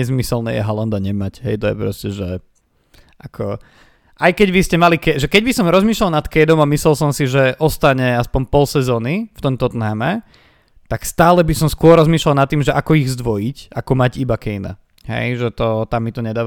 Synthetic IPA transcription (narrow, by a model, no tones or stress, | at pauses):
ɛzmisɛlnɛ̰ːjɛ̰ɦɔland̪aɲɛmacɦɛ̰jt̪ɔjɛ̰pɾɔscɛʒɛ | akʰɔ | ʔajkɛɟʋiscɛmalikɛʒɛkɛɟbisɔmɾɔzmiːʃlalˠnat̪kɛjd̪ɔmamislɛlˠsɔmsiʒɛʔɔst̪aɲɛaspɔnpɔlsɛzɔːnift̪ɔmt̪ɔt̪naːmɛ | t̪akst̪aːlɛbisɔmskʊɔɾɔzmiːʃlalˠnat̪ːiːmʒɛʔakɔiɣzd̪ʋɔjicakɔmaɟibakɛjna̰ | hɛ̰jʒɛt̪ɔt̪amːit̪ɔɲɛd̪aː